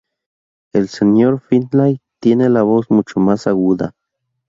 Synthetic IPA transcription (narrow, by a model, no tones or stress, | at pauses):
elsenjoɾfinlajt̪jenelaβosmut͡ʃomasaɣuða̰